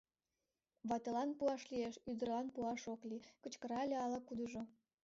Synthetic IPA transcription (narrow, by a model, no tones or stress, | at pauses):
βɑt̪elɑnpuɑʃlieʃyd̪ə̆rlɑnpuɑʃoklikə̆t͡ɕkə̆ɾɑelʲeɑlɑkud̪əʒo